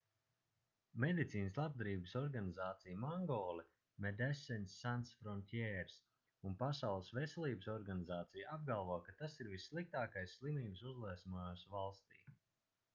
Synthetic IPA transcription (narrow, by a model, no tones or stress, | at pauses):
med̪it̪siːnəslˠab̚d̪ɾiːbəsɔɾɡanizaːt̪sijmaŋɡɔːlˠɛ | mɛd̪ɛsɛnʲsːansfɾɔnʲt̪ʲjɛɾs | unpasawlˠɨsvɛsɛlˠiːbəsɔɾɡanʲizaːt̪sijab̚ɡalˠvɔɔkat̪asiɾvisːlˠik̚t̪aːkajsːlˠimiːbsuzlˠiɛsmaːsvalˠst̪ḭː